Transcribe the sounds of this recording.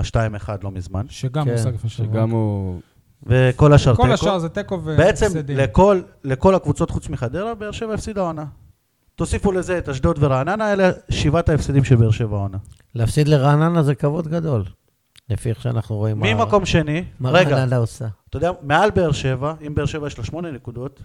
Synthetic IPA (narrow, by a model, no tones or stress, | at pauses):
aʃtaimeχad̪lo̞mizmanɡakeʃeɡamu | veko̞laʃaʁeʃazet̪ekovbeet͡se̞mlekolːe̞ko̞lakvut͡so̞tχut͡smiχad̪eʁabeːʁʃe̞vaafsid̪aona | t̪o̞sifule̞zeːtaʃd̪ot̪veʁaːnanaeleʃivataefsid̪imʃebeeʁʃe̞vao̞na | leafsid̪leʁaːnanazekavo̞d̪ɡad̪o̞l | lefieχʃea̰naχnuʁo̞immimako̞mʃe̞nimaʁeɡananaosat̪odeamealbeːʁʃe̞vaimbeeʁʃe̞vajeʃloʃmo̞nenekud̪o̞t̪